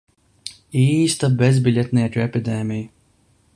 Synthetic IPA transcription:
iːst̪abezbʲilʲɛt̪ʲnʲiːɛt̪uɛpʲid̪ɛːmʲija

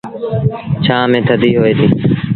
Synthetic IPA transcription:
t͡ʃʰaːmẽːt̪ʰəd̪iːɦoːeːd̪iː

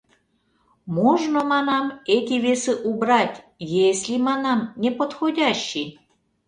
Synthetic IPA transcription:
moʒnomɑnɑmet̪ʲivʲesɨʔubɾɑt̪ʲ | jesʲlʲimɑnɑmnʲepot̪xodʲɑɕːi

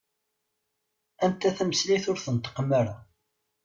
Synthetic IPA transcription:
ænt̪æθæməsliθʊɾθənt̪ːə̥qmæɾa

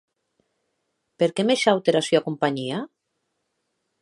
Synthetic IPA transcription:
peɾkemeʃawt̪eɾasyakumpaɲia

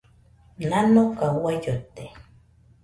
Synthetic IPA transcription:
nanokawajot̪e

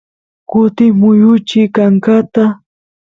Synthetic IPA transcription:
kʊt̪ɪmʊjʊt͡ʃɪkaŋkat̪a

